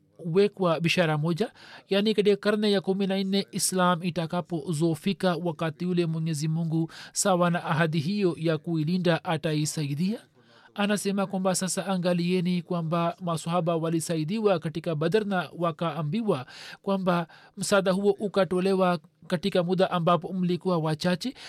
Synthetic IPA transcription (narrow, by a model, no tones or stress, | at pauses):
uwɛkwaɓiʃaɾamɔʄajanikat̬ikakaɾnɛjakuminannɛislamitakapɔzɔfikawakatiulɛmwɛɲɛzimuŋɡusawanaʔaɦadiɦijɔjakuilindaʔataisaidiaː | nasɛmakwambasasaaŋɡaliɛnikwambamasahabawalisaid̪iwakatikabad̪aɾnawakaːmbiwakwamba | m̩sad̪aɦuɔʔukatɔlɛwakatikamud̪aʔambapɔm̩likuwawat͡ʃat͡ʃɛ